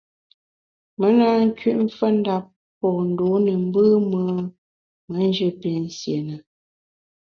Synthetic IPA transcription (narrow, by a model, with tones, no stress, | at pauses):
mə˨˦na˨˦ŋ̩˦kɥi˦ʔm̩˦fə˦n̩˦da˦pː | ɔː˨n̩˨doː˨˦nə˨m̩˦bɨ˦mə˦ | mə˨˦n˦d͡ʒɨ˦pe˨n̩˦sje˨nə˨